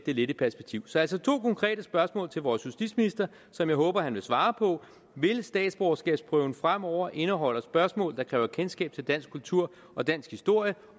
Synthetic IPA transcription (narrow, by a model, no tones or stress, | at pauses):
d̥e̝le̝ɾ̥əpʰæɐsb̥e̝ɡ̥̚t͡sʰiʊ̰sɒ̽æl̰sɒ̽t͡sʰo̝̰ːkʰɒ̽ŋkʰʁɛ̰ːd̥əsb̥ɶɐsmɔ̰̽ːlt͡sʰe̝lʋɒːsjusd̥ḭd̥sminisd̥ɐ | sɒ̽mjɑ̈ɪɦɔ̽ːb̥ɐhænʋe̝lsʋɑ̈ːpʰɒ̽ | ʋe̝lsd̥ɛ̰ːd̥sb̥ɒʊsɡ̥ɛːb̥spʰʁœʊn̩fʁam̰ɒʊ̰ɐʔe̝nəɦɒ̽l̰ɐsb̥ɶɐsmɔ̰̽ːld̥ɑ̈kʰʁɛːʊɐkʰensɡ̥ɛ̰ːb̥̚t͡sʰe̝ld̥æn̰sɡ̥̚kʰːult͡sʰuɐ̰ | ɒ̽d̥æn̰sɡ̥hisd̥o̝ɐ̰jə